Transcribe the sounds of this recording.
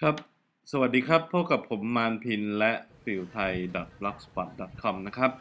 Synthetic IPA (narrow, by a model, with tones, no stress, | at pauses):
kʰɾa˦˥p̚ | sa˧wa˨˩t̪̚diː˧kʰa˦˥pʰːoː˥˩ka˨˩pʰːo˩˦mːaː˧npʰi˧nlɛ˦˥ʔfi˨˩wt̪ʰa˧jdɔ˨˩t̪̚blɔ˦˥k̚spɔ˦t̪̚dɔ˨˩t̪̚kʰɔ˧mna˦˥kʰɾa˦˥p̚